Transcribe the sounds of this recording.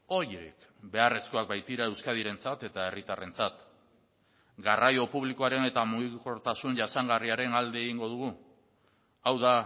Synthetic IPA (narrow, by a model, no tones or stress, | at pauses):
o̞ɾɾḭkbe̞are̞sko̞ak̚bajt̪iɾae̞wskað̞iɾe̞nt͡sat̪e̞t̪ae̞rit̪are̞nt͡sat̪ | ɡarʔajo̞puβliko̞aɾe̞ne̞t̪amuɣiko̞ɾt̪asunʝasaŋɡariaɾe̞nald̪e̞ːɣiŋɡo̞ð̞uɣ̞u | awða